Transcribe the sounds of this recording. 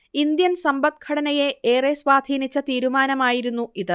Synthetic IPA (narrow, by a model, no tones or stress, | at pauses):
ind̪jɐnsɐmbɐt̪̚kʰɐɽɐnɐjeeːresʋaːd̪ʱiːnit͡ɕːɐt̪iːɾumaːnɐmaːjiɾunːuiðɨ